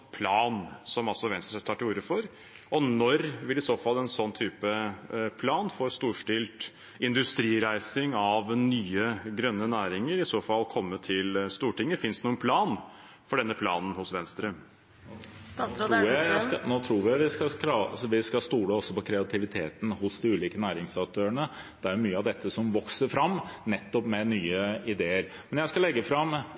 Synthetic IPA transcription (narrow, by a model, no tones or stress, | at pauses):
pʰlɑːnsɔmɑlsɔʋɛnst̪ɾət̪ʰɑːʈɪuːɾəfɔɾ | ʔɔnɔɾʋɪlɪsoːfɑlːɛnsɔnːt̪ʰyːpəpʰlɑːnfɔːɾst̪uːʂʈɪlt̪ | ɪnd̪ʉst̪ɾiːɾæɪsɪŋɑʋnyːəɡɾœnːənæːɾɪŋəɾɪsoːfɑlːkʰɔmːət̪ʰɪlst̪uːʈɪŋːəfɪnsd̪ənuːənpʰlɑːn | fɔɖɛnːəpʰlɑ̰ːnn̩hʊsʋɛnst̪ɾə | ɾnoːt̪ʰɾuːɾʋɪʋɪskɑkʰlɑsʋɪskɑst̪uːɽəɔsːɔpɔkʰɾɛɑt̪ʰɪʋɪt̪ʰḛːt̪n̩hʊsd̪ɪʉːliːkənæːɾɪŋsɑk̚t̪ʰøːəɳə | d̪̥ɛæɾjʊmyːəɑʋd̪ɛt̪ʰːəsɔmʋɔksəɾfɾɑmːnɛt̪ːɔpmɛnyːəɪd̪eːəɾ | mɛnjæɪskɑlɛɡːəfɾɑm